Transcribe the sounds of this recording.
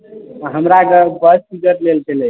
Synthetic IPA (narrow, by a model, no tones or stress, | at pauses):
ɦəmɾakəbəspiɡəʈlelkele